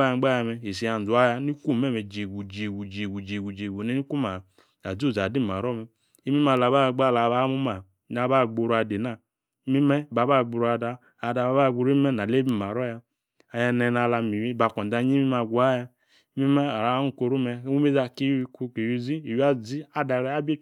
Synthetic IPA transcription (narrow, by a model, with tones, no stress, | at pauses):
a˦a˨˦ɡ͡ba˦ja˧˨mɛ˨e˨si˨˦a˨n˨zu˨˦a˦ja˦ni˦ku˦˨mɛ˦˨mɛ˨d͡ʒe˨ɡu˨d͡ʒe˨ɡu˨d͡ʒe˨ɡu˨d͡ʒe˨ɡu˨d͡ʒe˨ɡu˨ne˦ni˦ku˦ma˨ | a˨zu˦˨za˨di˦˨m˨a˨ɾɔ˦˨mɛ˨ | i˦mi˦ma˨la˨ba˦˨ɡ͡ba˦˨la˨βa˦mu˦ma˨˦ | na˨˦ba˦˨ɡ͡bo˧ɾu˨˦a˨de˨na˦˨˦ | mi˦mɛ˦ba˨ba˦˨ɡ͡bu˨ɾu˦a˨daː˧˨ | da˨ba˨˦ba˦˨ɡ͡bu˧ɾmɛ˦na˨le˦bi˦˨ma˨ɾɔ˦ja˧˦ | a˨jɛ˧nɛ˨na˨la˧mi˨wi˦ba˨kʷɔ˨n˨da˨˦ɲi˦mi˦ma˨ɡʷu˨a˦ja˧˦ | mi˦mɛ˦a˨ɾa˨˦nu˦˨ko˧ɾu˦mɛ˧˦u˦me˦za˧ki˦ku˦ke˨ju˧zi˦i˨ji˦a˦zi˦a˦da˨ɾɛ˦a˦be˦